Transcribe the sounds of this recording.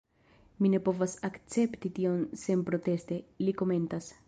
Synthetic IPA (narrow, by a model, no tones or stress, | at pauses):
mine̞po̞vasakt͡se̞pt̪it̪io̞nse̞npɾo̞t̪e̞st̪eliko̞me̞nt̪as